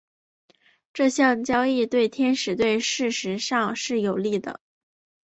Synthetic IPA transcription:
ʈ͡ʂɤ˥˧ɕjɑ˥˩ŋt͡ɕjɑ˥ʊi˥˧t̪we˥˩ɪt̪ʰjɛ˥nʂɻ̩˨˥t̪we˥˧ɪʂɻ̩˥˩ʂɻ̩˧˥ʂɑ˥˧ŋʂɻ̩˥˩jo˨˩ʊli˥˩d̪ə̰˩

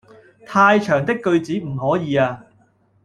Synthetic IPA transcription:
t̪ʰaː˧jt͡ʃʰœː˨˩ŋt̪̬ɪ˥kːɵ˧ɥt͡siː˨˥m̩˨˩hɔː˨˥jiː˨˧aː˧

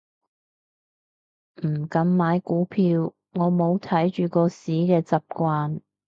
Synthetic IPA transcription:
m̩˨˩kɐ˧˥mmaː˨˥jkuː˨˥pʰiː˧w | ŋɔː˨˧mo˨˧wt̪ʰɐ˨˥jt͡ʃyː˨kɔː˧siː˨˥kɛː˧t͡sɐ˨p̚kʷwaː˧n

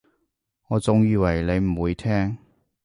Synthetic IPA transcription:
ŋɔː˨˧t͡sʊ˨ŋjiː˨˧wɐ˨˩jle˨˧jm̩˨˩wuː˨˧jt̪ʰɛː˥ŋ

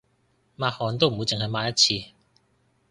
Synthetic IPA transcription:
maː˧hɔː˨˩nt̪o˥wm̩˨˩wjt͡sɪ˨ŋɦɐ˨jmaː˧jɐ˥t̚t͡sʰiː˧

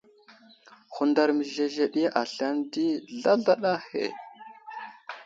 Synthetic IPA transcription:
xu˨nda˨ɾmə˨ʒe˨ɮe˨ɗi˦ʔa˨ɬa˦ndi˦ɮa˦ɮa˦ɗa˦hḛ˨

